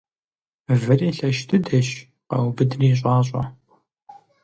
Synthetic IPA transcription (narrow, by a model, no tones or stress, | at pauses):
vɨriːɬɐʃtʰɨdɐɕ | qɐwbɨdriːɕ̬ʷʼɑːɕʷʼɐ̰